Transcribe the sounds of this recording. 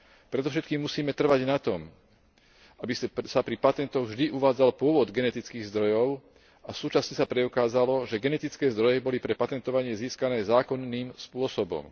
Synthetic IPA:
pɾɛd̪ɔfʃɛt̪kiːmːusiːmɛt̪r̩ʋaɟnat̪ɔm | abissapɾipat̪ɛnt̪ɔɣvʒd̪iʔuʋaːd͡zalpʊɔʋɔd̪ɡɛnɛt̪it͡skiːɣzd̪ɾɔjɔʊ | ʔasuːt͡ʃasɲɛsapɾɛukaːzalɔʒɛɡɛnɛt̪it͡skɛːzd̪ɾɔjɛbɔlipɾɛpat̪ɛnt̪ɔʋaɲɪɛziːskanɛːzaːkɔnːiːmspʊɔsɔbɔ̰m

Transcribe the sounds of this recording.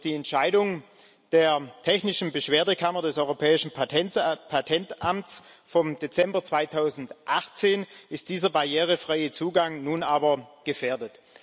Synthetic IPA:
d̥iːɛntʃaɪdʊŋ | d̥eːɐtʰɛçnɪʃn̩bəʃv̥eːɐdəkʰamɐdɛsʔɔʏʁopʰɛːɪʃn̩ɛpʰatʰɛntʔamt͡s | fɔmdet͡sɛmbɐt͡sv̥aɪtʰaʊzn̩tʔaχt͡seːnɪst̚d̥iːzɐbaɐjɛːʁəfʁ̥aɪət͡suːɡaŋnuːnʔaːbɐɡ̥əfeːɐdət

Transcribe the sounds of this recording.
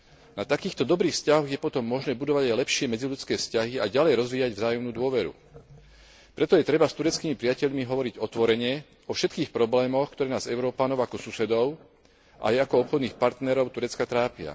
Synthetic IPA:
nat̪akiːxt̪ɔd̪ɔbɾiːfscaɦɔɣjɛpɔt̪ɔmːɔʒnɛːbud̪ɔʋaɟajlɛpʃɪɛmɛd͡ziʎut͡skɛːfscaɦiaɟalɛjɾɔzʋiːaɟvzaːjɔmnuːd̪ʊɔʋɛɾṵ | pɾɛt̪ɔjɛt̪ɾɛbast̪uɾɛt͡skiːmipɾijacɛʎmiɦɔʋɔɾiɟɔt̪ʋɔɾɛɲɪɛ | ɔfʃɛt̪kiːxpɾɔblɛːmɔxkt̪ɔɾɛːnaːzɛʊɾɔːpanɔʊakɔsusɛd̪ɔʊ | ʔa̰jakɔɔpxɔd̪niːxpaɾt̪nɛɾɔʊt̪uɾɛt͡skat̪ɾaːpɪa̰

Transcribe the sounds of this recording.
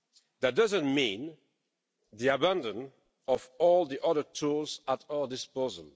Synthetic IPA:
ðɨt̚d̥ʌzə̃nmĩn | ðiabæ̃ndə̃n | ɔvɔlˠðiʔʌðə˞tʰulˠzətaə˞dɪspozl̩ˠ

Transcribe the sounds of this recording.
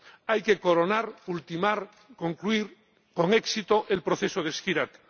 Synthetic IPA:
ajke̞ko̞ɾonaɾult̪imaɾ | ko̞ŋkluiɾ | ko̞ŋeksit̪oʔelpɾoθesoð̞eskiɾat̪

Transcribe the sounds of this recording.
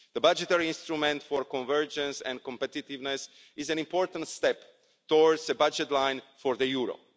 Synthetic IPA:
ðəbad͡ʒɛt̪ɛɹiĩnst̪ɾumɛ̃nt̪fɔɹkɔ̃nvɜɹd͡ʒɛ̃nsɛ̰̃nkɔ̃mpɛt̪it̪ivnɛs | ɪzɛ̃nĩmpʰɔɹt̪ãnt̪st̪ɛp | t̪ɔɹdzðəbad͡ʒɛt̪lãj̃nfɔɹðəjuɹo̰

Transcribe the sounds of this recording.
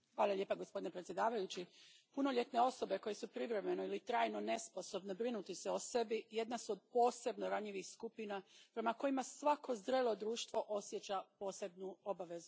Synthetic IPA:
xʋaːlˠalʲʎe̞paɡo̞spo̞d̪inepɾetsjed̪aːʋajut͡ɕipuno̞ʎʲe̞t̪ne̞o̞so̞be̞ko̞je̞supɾiʋɾe̞me̞no̞ilit̪ɾaːjno̞ne̞spo̞so̞bnebɾinut̪iseo̞se̞bije̞d̪nasuod̪̚po̞ːse̞bno̞ɾaɲiʋixskupinapɾe̞mako̞jimasʋakʰo̞zd̪ɾeːlˠo̞d̪ɾuːʃt̪ʋo̞ʔo̞sjet͡ɕapo̞ːse̞bnuo̞baʋe̞zu

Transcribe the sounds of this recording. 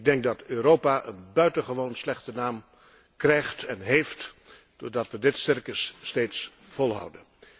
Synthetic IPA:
ɪɡ̚dɛŋɡ̚dɑtøːrowpaːʔə̰nbœɥtənχəʋownslɛχtənaːm | krɛjχtɛnɦejft | d̥oɹdɑtʋədɪtsɪrkəsːtejtsfɔlˠɦʌ̰wdən

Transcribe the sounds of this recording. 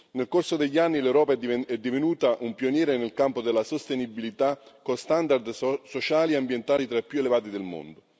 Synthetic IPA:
nelkorsod̪eʎːianːilewɾɔːpaɛd̪ːivenuːt̪aʔumpionjɛːɾenelkampod̪elːasost̪enibilit̪akost̪and̪ard̪sot͡ʃaːlieambjent̪aːlit̪ɾaipːjuelevaːt̪id̪elmo̰nd̪o

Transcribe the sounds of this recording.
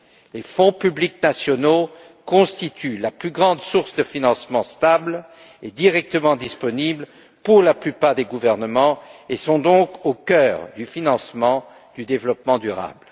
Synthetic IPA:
lefɔ̃pybliknasjɔno | kɔ̃st̪it̪ylaplyɡʁɑ̃d̪suʁsd̪əfinɑ̃smɑ̃st̪abl | ed̪iʁɛk̚t̪əmɑ̃d̪ispɔnibl | puʁlaplypaʁd̪eɡuvɛʁnəmɑ̃esɔ̃d̪ɔ̃kokœːʁd̪yfinɑ̃smɑ̃ | d̪̥yd̪evlɔpmɑ̃d̪yʁa̰bl

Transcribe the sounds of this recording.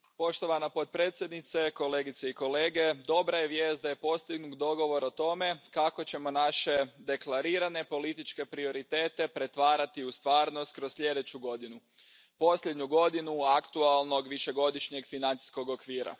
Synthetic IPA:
po̞ʃt̪o̞ʋanapo̞t̪̚pɾeːt̪sʲjed̪nit̪se̞ko̞le̞ːɡit̪seiko̞le̞ːɡe̞d̪o̞bɾajeʋje̞ːst̪̚d̪aje̞po̞st̪iɡnuk̪d̪o̞ɡo̞ʋo̞ɾot̪o̞me̞kako̞t͡ɕe̞mo̞naʃe̞d̪e̞klˠaɾiːɾane̞po̞lit̪it͡ʃke̞pɾio̞ɾit̪e̞ːt̪e̞pɾe̞t̪ʋaːɾat̪iust̪ʋaːɾno̞st̪̚kɾossʎʲe̞d̪e̞t͡ɕuɡo̞d̪inu | po̞sʎʲed̪ɲuɡo̞d̪inuakt̪ualˠno̞ɡʋiʃe̞ɡo̞d̪iʃɲe̞ɡfinant̪i̥sko̞ɡo̞kʋiːɾa̰

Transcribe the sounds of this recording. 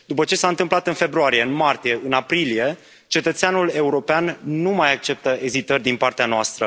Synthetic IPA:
d̪upət͡ʃe̞saɨnt̪ɨmplat̪ɨnfe̞bɾuaɾije̞ɨnmart̪ije̞ʔɨnapɾilije̞ | t͡ʃe̞t̪ət̪seanule̞uɾo̞peanːumajak̚t͡ʃe̞p̚t̪əʔe̞zit̪ərʲd̪inpart̪eanoast̪ɾə

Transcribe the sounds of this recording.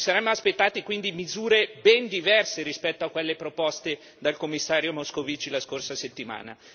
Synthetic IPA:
saɾɛmːoaspet̪ːaːt̪ikwind̪imizuːɾebɛnd̪ivɛrseɾispɛt̪ːoakːwelːepɾopɔst̪e | d̪alkomːisːaːɾjomoskovit͡ʃilaskorsaset̪ːima̰ːna̰

